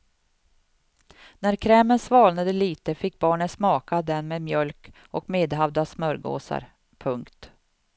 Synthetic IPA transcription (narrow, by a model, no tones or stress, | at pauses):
næɾkʰɾɛːmənsvɑːlnad̪əliːt̪əfɪk̚ːbɑːɳət̪smɑːkad̪ɛnmeːd̪mjœlk | ʔɔkmeːd̪ɦavd̪asmœɾɡo̰ːsa̰ɾ | pʰɵŋkt̪